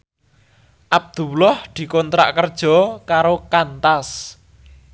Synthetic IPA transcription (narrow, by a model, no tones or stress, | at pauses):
ʔab̚d̪̥uwlɔhd̪̥i̤kɔnt̪ɾa̰ʔkərd̥ʒ̥ɔ̤kaɾokant̪as